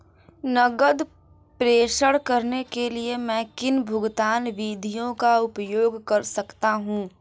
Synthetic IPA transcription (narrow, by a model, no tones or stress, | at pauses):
nɐɡəd̪ | pɾeːʃəɽkɐɾnekeliemɛ̃kɪnbʱʊɡt̪aːnʋiːd̪ʱijõkaʊpjoːɡkɐɾsɐkt̪aɦũː